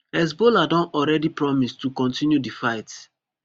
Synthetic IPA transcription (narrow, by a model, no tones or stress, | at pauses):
ɛs̬boladɔ̃nɔɹɛdipɹɔmistːukɔ̃ntʰĩnjudifaɪt